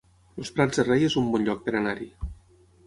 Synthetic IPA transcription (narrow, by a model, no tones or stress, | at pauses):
lospɾad͡zðerejezumbɔnʎɔk̚peɾanaɾi